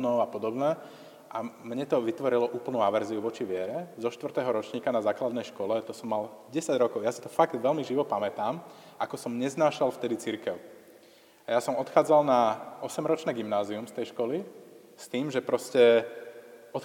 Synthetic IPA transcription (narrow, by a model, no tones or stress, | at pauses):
nɔʊapɔd̪ɔbnɛ | ʔamɲɛt̪ɔʋit̪ʋɔɾilɔʔuːpl̩nuːaʋɛɾziuʋɔt͡ʃiʋɪɛɾɛzɔʃt̪ʋrt̪ɛːɦɔɾɔt͡ʃɲiːkanazaːklad̪nɛjʃkɔlɛt̪ɔsɔmːalɟɛsaɟɾɔkɔʊjaːsi̥t̪ɔfaɡd̪ʋɛlmiʒiʋɔpamɛt̪aːm | ʔakɔsɔmɲɛznaːʃalft̪ɛd̪it͡siɾkɛʊ | ajasɔmɔt̪xaːd͡zalnaɔsɛmɾɔt͡ʃnɛːɡimnaːziumst̪ɛjʃkɔli | st̪iːmʒɛpɾɔscɛ | ɔt̪